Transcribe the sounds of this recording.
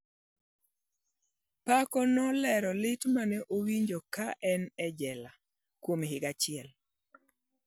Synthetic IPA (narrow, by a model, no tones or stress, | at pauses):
pakɔnɔlɛɾɔlɪtmanɛʔowiɲd͡ʒokaʔɛnɛd͡ʒɛla | kwomɦɪɡat͡ʃɪɛl